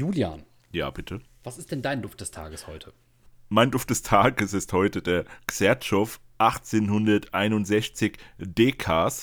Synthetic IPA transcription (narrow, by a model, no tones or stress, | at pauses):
juːlja̰ːn | ja̰ːbɪtʰə | v̥asɪstd̥ɛndaɪndʊft̚d̥ɛstʰa̰ːɡəshɔʏtʰə | maɪndʊftd̥ɛstʰaːɡəsɪsthɔʏtədeːɐksɛɐtʃɔf | ʔaχt͡seːnhʊndɐtʔaɪnʊntz̥ɛçt͡sɪçd̥eːkʰaːs